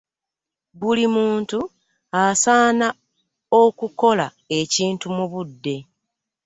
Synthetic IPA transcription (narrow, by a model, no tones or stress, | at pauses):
bulimuːntu | asaːna | o̞kuko̞la | e̞ciːntumuβudːe̞